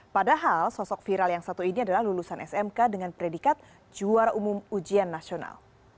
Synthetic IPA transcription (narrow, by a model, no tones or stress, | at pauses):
padaɦalsɔsɔk̚fiɾaljaŋsat̪uiniadalahlulusanɛsɛmkadəŋanpɾedikat̪̚ | d͡ʒuarumumud͡ʒianːasiona̰l